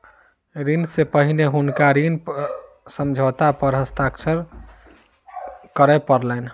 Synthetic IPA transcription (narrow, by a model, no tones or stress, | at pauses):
ɾinsepəɦineɦunkaɾinp | səmd͡ʒʱot̪apəɾɦəst̪aksəɾ | kəɾɛpəɾlɛn